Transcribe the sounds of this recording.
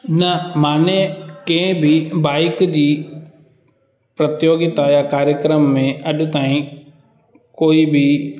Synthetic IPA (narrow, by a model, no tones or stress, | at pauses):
nɐmaːnekẽbʱibaːɪkd͡ʑiː | pɾɐt̪joːɡɪt̪ajakaːɾjəkɾəmːẽʔɐɗʊ̆t̪aːĩ | koːibʱi